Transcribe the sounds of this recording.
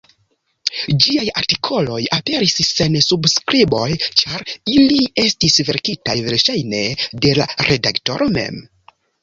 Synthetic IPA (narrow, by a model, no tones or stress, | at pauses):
d͡ʒiajaɾtikʰo̞lo̞jape̞ɾisse̞nsubskɾibo̞jt͡ʃaɾilie̞stisve̞ɾkitajveɾʃajne̞de̞la̰ɾʔe̞dakto̞̰ɾʔo̞me̞̰m